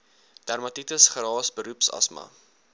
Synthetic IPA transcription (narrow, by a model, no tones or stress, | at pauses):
d̥ærmɐtitəsχəɾɑːsbəɾupsɐ̰smɐ̰